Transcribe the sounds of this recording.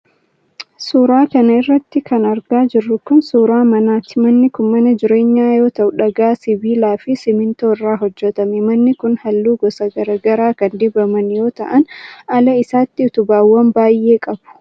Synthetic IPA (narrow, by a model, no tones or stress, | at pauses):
suːɾaːkɐnɐɪrːɐt̪ːɪkʰɐnɐɾɡaːd͡ʒɪrːʊkʊnsuːɾaːmɐnaːt̪ːɪmɐnːɪkʊnmɐnɐd͡ʒɪɾe̞ːɲːaːjo̞ːt̪ɐʔʊᶑɐɡaːsɪbiːlaːfɪsɪmɪnt̪oːɪrːaːɦɔd͡ʒːɛt̪ɐmɛmɐnːɪkʊnhɐlːuːɡɔsɐɡɐɾɐɡɐɾaːkɐnd̪ɪbɐmɐnjo̞ːt̪ɐ̰ʔɐnɐlɐɪsaːt̪ːɪʊt̪ʊbaːwːɐmbaːjʔːe̞ːkʼɐb̥ʊ̥